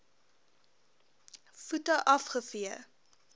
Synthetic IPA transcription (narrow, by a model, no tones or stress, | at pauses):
futəʔɐfχəfiə